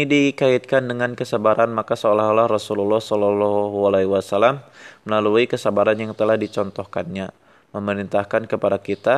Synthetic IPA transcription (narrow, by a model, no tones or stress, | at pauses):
idikait̪̚kandəŋankəsabaɾʔanmakasəalaɦlahrɔsululːɔhsɔlɔlɔɦɦualawasalamːəlaluikəsabaɾanjaŋt̪əlahdit͡ʃɔnt̪ɔhkanɲa | məməɾint̪ahkankəpadakit̪a